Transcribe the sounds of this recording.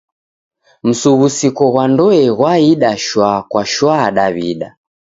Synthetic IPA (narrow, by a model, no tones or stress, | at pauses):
m̩suɣusikɔɣwandɔɛɣwaiɗaʃwakwaʃwaɗaβḭɗa